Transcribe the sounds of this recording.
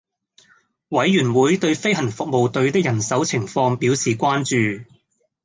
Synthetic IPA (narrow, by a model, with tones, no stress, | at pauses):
wɐ˨˥jːyː˨˩nwuː˨˥jt̪ɵ˧ɥfe˥jɦɐ˨˩nfʊ˨k̚mo˨wt̪ɵ˧ɥt̪ɪ˥k̚jɐ˨˩nsɐ˨˥wt͡sʰɪ˨˩ŋfɔː˧ŋpiː˨˥wsiː˨˩kʷaː˥nt͡ʃyː˨